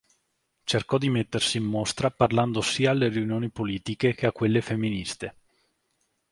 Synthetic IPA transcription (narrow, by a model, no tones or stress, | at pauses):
t͡ʃerkɔd̪imet̪ːersiːmːost̪ɾaparland̪osiːaːlːeɾiunjoːnipoliːt̪ikek̟eakːwelːefemːinist̪e